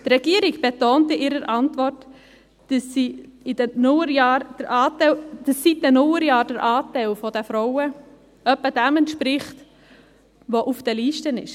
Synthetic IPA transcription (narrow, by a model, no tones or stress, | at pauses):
t̪rɛɡ̥iːəɾiɡb̥etoːntɪʔɪɾəɾʔɑntvɔrt | əsːiɪdnʊjɑːɾd̥əɾʔɑːtd̥əsːit̚ɛnʊləɾjɑːɾd̥əɾʔɑːtaɪlfɔdɛfɾɔʊə | œpːəd̥ɛmɛntʃpɾɪχt | ʋoʔufd̥ɛliːʃtənɪ̰ʃ